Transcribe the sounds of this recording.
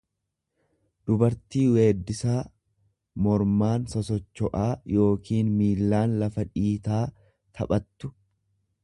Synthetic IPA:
d̪̥ʊbɐɾt̪iːwe̞ːd̪ːɪsaː | mɔɾmaːnsɔsɔt͡ʃːɔʔaːjo̞ːkiːnmiːlːaːnlɐfɐᶑiːt̪aː | t̪ʰɐ̰pʼɐt̪ːʊ̥

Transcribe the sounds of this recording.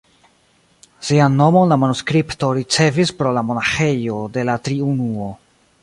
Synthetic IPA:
siano̞mo̞nlamanuskɾipto̞ɾit͡se̞vispɾo̞lamo̞naxe̞jo̞de̞latɾiunuo̞

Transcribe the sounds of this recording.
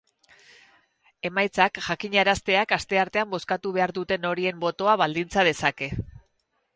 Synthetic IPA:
e̞majt͡sakʝakiɲaɾast̪e̞akast̪e̞aɾt̪e̞ambo̞skat̪uβ̞e̞aɾðut̪e̞no̞ɾie̞mbo̞t̪o̞aβald̪int͡sað̞e̞sake̞

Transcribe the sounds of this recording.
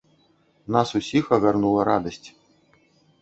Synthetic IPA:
nasusʲixɐɣʲarnulˠɐɾad̪ɐsʲt͡sʲ

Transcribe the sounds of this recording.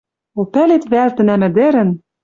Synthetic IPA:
opælet̪βælt̪ɘ̆næmɘ̆d̪ɘ̆ɾɘ̆n

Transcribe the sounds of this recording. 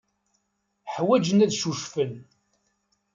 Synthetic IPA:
ħwæd͡ʒənæðʃuʃfən

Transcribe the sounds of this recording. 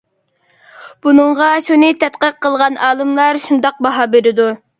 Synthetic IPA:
b̥unɨɴʁɑʃunɨt̪ʰɛt̪qəq̚qʰːəlˠʁɑnʔɑːlˠɨmlˠɑɾʃund̪ɑq̚bɑɦɑbeɾɪd̪u

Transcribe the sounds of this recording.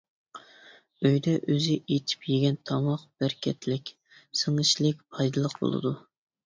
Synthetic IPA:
øjd̪ɛʔøzɪʔet̪ʰi̥pjeɡʲɛnt̪ʰɑmɑqb̥æɾkʲʰɛt̪lɪkʲ | sɨŋɨʃlɪk̚ʲpʰɑjd̪ɨlˠəqbo̰lˠɨ̰d̪u

